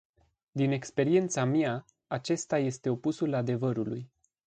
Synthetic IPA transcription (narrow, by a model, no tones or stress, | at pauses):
d̪ine̞kspe̞ɾie̞nt̪samia | at͡ʃe̞st̪aje̞st̪e̞o̞pusulad̪e̞vəɾuluj